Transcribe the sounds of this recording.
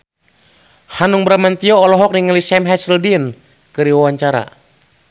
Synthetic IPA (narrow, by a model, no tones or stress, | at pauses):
hanuŋbəɾamant̪iɔːlɔɦɔk̚niŋalisɛmɦɛsldin | kɨɾiwawaɲt͡ʃaɾa̰